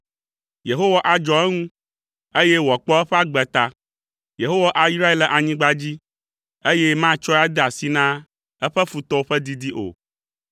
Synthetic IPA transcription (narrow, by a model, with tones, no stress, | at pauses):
je˨ɦo˦wa˦ʔa˨d͡ʒɔ˨ɛ˦ŋũ˦ | e˦je˦wɔ˨k͡pɔ˦ɛ˦ɸɛ˦a˦ɡ͡bɛ˨t̪a˦ | je˨ɦo˦wa˦ʔa˨i˦sɾa˦e˦lɛ˨ʔa˨ɲĩ˦ɡ͡ba˦d͡ʑi˦ | e˦je˦mã˦t͡ʃɔ˦a˦d̪ɛ˦a˨si˦nã˦ | ɛ˦ɸɛ˦fu˨t̪ɔ˦o˦ɸɛ˦d̪i˦d̪i˦ʔo̰˨